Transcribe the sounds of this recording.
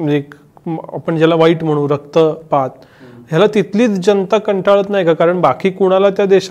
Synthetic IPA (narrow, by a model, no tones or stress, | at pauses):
ek | a̰pəɳd͡ʑalaʋaiːʈm̤əɽ̃ũːɾəkt̪əpat̪̚ | ɦjalat̪it̪ʰliːt͡sd͡ʑənt̪akəɳʈʰaɭət̪naɦjkakaɾəɳbakiːkuɽ̃alat̪jad̪eɕa